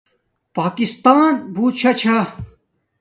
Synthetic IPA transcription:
paːkist̪aːnbʱuːt̪̚t͡ɕʰɐt͡ɕʰa

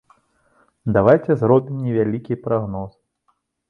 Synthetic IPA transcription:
d̪avajt͡sʲɛzɾɔbʲimnʲɛvʲalʲikʲipɾaɣnɔs

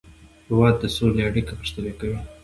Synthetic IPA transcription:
hɪwɑd̪ːəsoleaɽikapəʃt̪əlekawi

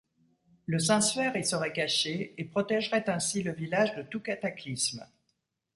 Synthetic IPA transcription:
ləsɛ̃sfɛʁilsəʁɛkaʃeepχɔt̪ɛʒʁɛt̪ɛ̃siləvilaʒd̪ət̪ukat̪aklism

